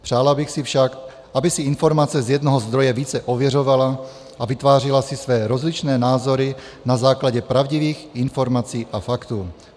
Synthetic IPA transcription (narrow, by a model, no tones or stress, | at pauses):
pr̥aːlabɪxsɪfʃak | ʔabɪsɪɪnfo̞ɾmat͡sɛzjɛd̪noɦozd̪ɾo̞jɛviːt͡sɛʔovjɛro̞vala | ʔavɪt̪vaːr̝ɪlasɪsvɛːɾo̞zlit͡ʃnɛːnaːzo̞ɾɪ | nazaːklaɟɛpɾavɟiviːxɪnfo̞ɾmat͡siːʔafakt̪uː